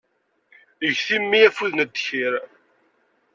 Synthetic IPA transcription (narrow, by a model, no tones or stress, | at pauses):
əʝθimːiæfuðnəd̪ːçiɾ